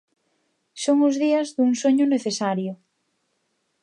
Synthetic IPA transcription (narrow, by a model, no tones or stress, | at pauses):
soŋʊzðiɐzðuŋsoɲʊneθesaɾjʊ